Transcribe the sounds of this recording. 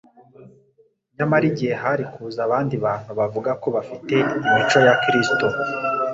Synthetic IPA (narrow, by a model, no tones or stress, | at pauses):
ɲamaɾiɟieɦaɾikʰuzaβaːndiβaːn̥huβavuɡako̞βafite̞imit͡ʃo̞jakɾisto̞